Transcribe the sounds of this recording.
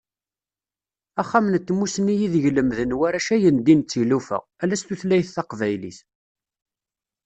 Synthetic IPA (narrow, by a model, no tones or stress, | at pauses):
æχːamənt̪ːmusnijiðəʝləmðənwæɾæʃæjənd̪int͡sːəlufə̰ʁælæst̪uθlæjθːɑqvæjlḭθ